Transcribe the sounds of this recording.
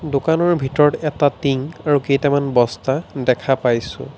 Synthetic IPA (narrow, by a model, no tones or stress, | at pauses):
dokanɔɹbʱitɔɹɔtɛtatiŋaɹukejtamanbɔstadɛkʰapajsʊ̰̃